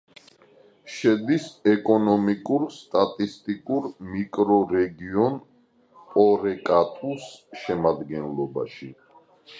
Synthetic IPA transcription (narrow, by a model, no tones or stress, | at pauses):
ʃɛd̪isɛkʼɔnɔmikʼuɾst̪ʼat̪ʼist̪ʼikʼuɾmikʼɾɔɾɛɡiɔn | pʼɔɾɛkʼat̪ʼusʃɛmad̪ɡɛnlɔba̰ʃi